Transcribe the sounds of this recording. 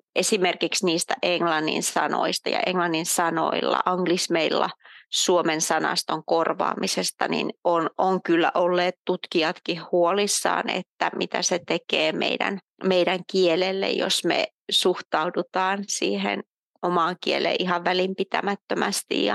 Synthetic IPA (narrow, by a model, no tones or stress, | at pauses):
ʔesimerkiksniːst̪æʔeŋlɑnːḭnsɑno̰ist̪ɑjɑ̰eŋlɑnːinsɑno̰ilːɑ̰ʔɑŋɡlismeilːɑsuomensɑnɑ̰st̪oŋkorʋɑ̰ːmisest̪ɑnḭnʔonʔoŋkylːæʔolːeːt̪t̪ut̪kiɑt̪kihhuolisːɑ̰ːnḛt̪ːæmʔit̪æset̪ekeːmḛidæ̰n | meidæŋkielelːḛjjo̰smḛ | suht̪ɑudut̪ɑːnsiːhḛn | omɑːŋkielḛʔihɑʋʋælimpit̪æmæt̪ːømæst̪ḭjjɑ